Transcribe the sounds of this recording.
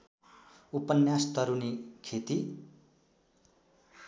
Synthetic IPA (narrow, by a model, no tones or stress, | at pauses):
upʌnjast̪ʌɾunikʰet̪i